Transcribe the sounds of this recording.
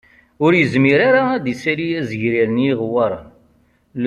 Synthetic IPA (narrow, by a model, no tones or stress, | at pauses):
ʊɾjəzmiɾaɾaæd̪isælijæzəʝɾiɾənjiʁwəɾˤ | l